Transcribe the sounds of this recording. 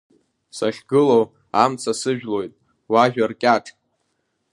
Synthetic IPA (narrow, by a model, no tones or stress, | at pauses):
saχʲɡɨlow | amt͡sʰasɨʒᶣlo̞jtʼ | waʒᶣarkʲʼaʈ͡ʂʰʼ